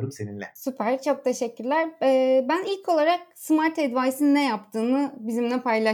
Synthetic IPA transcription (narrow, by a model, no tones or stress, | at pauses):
ɾukseninlʲɛ̰sypʰæɾ̥t͡ʃʰo̞k̚t̪ʰe̞ʃɛcʰːyɾlʲæɾɛːbænilʲkʰo̞lˠaɾak̚sɯmaɾt̪ʰɛd̪vaːjsinnɛjap̚t̪ʰɯːnɯbizimlɛpʰajlˠa